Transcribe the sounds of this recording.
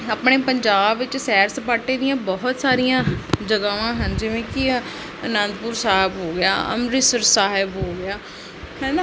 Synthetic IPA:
əpɳeːpəɲd͡ʒaːbʋɪt͡ʃsɛːɾsəpaːʈeːd̪ɪjãːbɔɦt̪saːɾijãːd͡ʒəɡaːʋãːɦənd͡ʒɪʋẽːkɪ | ənãnd̪pʊɾsaːɦɪbɦoːɡɪja̰ːə̰mɾɪsəɾsaːɦɪbɦoːɡɪjaː | hɛ̃ːnaː

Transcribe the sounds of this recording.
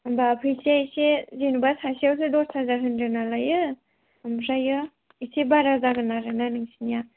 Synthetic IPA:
ambapʰɯjsesezenubasʰasiawsɯdɔssʰazaɦɯnɾɯnalajɯ | amɾajɯ | isebaɾazaɡɯnaɾɯnanɯŋsinija

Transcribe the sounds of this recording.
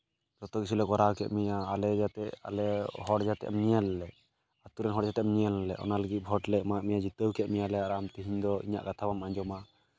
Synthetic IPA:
d͡ʒɔt̪ɔkit͡ʃʰulɛɡɔɾakɛ̰ʔmijaːlɛd͡ʒat̪ɛʔa̰lɛɦɔɽd͡ʒat̪ɛ̰ʔmɲiɛlɛlɛ | at̪uɾɛnɦɔɽd͡ʒat̪ɛʔmɲijɛlɛlɛʔɔ̰naləɡit̪̚ˀbʱɔʈlɛmaʔmijad͡ʒit̪əwkɛʔmijalɛaɾamt̪iɦiɲd̪ɔḭɲa̰ʔkat̪ʰabamaɲd͡ʒɔma

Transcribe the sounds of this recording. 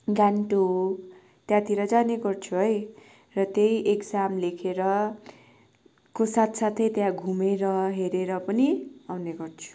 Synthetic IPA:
ɡaɳʈo | t̪jãt̪iɾʌd͡zaneɡʌrt͡sʰuɦʌj | rʌt̪ejʔekd͡zamlekʰeɾʌ | kosat̪sat̪ʰʌjt̪jãɡʱumeɾʌɦeɾeɾʌpʌniawneɡʌrt͡sʰu̥

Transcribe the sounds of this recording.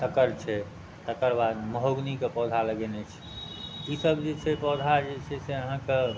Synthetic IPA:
t̪əkəɾt͡ʃʰɛ | t̪əkəɾbad̪məɦoɡnikepɔd̪ʱaləɡɛnɛt͡ʃʰ | isəbd͡ʒet͡ʃʰɛpɔd̪ʱad͡ʒet͡ʃʰɛseəɦãke

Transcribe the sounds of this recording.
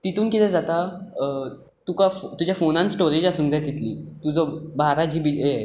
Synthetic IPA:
t̪it̪uːnkit̪ɛ̃d͡zat̪a | t̪ukaft̪ud͡ʑjafonãnsʈoɾed͡ʑasuːnd͡zajt̪it̪lḭt̪ud͡zɔbaɾad͡ʑiːbiej

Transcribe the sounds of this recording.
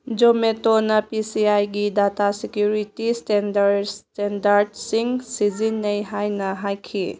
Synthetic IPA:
d͡ʒometonɐpisiajɡidatasekjuɾitistendtendaɾdsiŋsizinːɐjɦajnɐɦajkʰḭ

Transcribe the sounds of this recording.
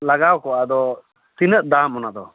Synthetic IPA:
laɡawkɔwad̪ɔ | t̪inəʔ̚d̪amɔnad̪ɔ

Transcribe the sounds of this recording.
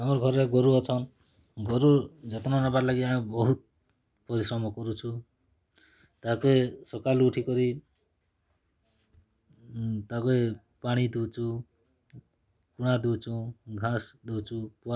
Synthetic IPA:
ɦamɔɾɔɡʱɔɾeɡɔɾuɔt͡ʃʰʌn | ɡɔɾud͡ʒʌt̪nɔnapaɾlaɡiabɔɦut̪̚ | pɔɾisɾɔmɔkɔɾut͡ʃʰu | t̪akoesɔkalːʈʰikɔɾi | t̪akoe | paɽ̃id̪ut͡ʃʰu | kuɽ̃ad̪ut͡ʃʰuɡʱãsd̪ut͡ʃʰupua

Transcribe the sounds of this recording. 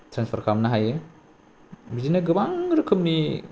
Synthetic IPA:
tɾanspʰaɾkʰamnɐɦajɯ | bizinaɡɯbaŋɾɯkʰɯmni

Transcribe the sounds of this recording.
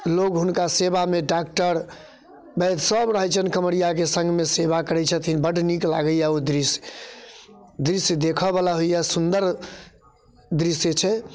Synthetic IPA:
lokɦunkasebameɖak̚ʈəɾ | bɛt̪səbɾəɦət͡ʃʰənkəmɽijakesə̃ŋɡmeseβakəɾɛt͡ʃʰət̪ʰinbəɖnikla̰ɡəjaod̪ɾis | d̪ɾisd̪ekʰəbalaɦojjasund̪əɾ | d̪ɾiset͡ʃʰɛ

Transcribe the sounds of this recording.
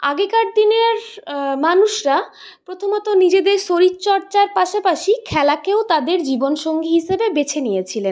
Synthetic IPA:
aɡekaʈ̚d̪ineɾmanuʃɾa | pɾot̪ʰomɔt̪onid͡ʑed̪eɾʃoɾit̪ːt͡ɕɔɾt͡ɕaɾpaʃapaʃikʰɛlakeot̪ad̪eɾd͡ʑibonʃoŋɡiɦiʃebebet͡ɕʰenijet͡ɕʰilen

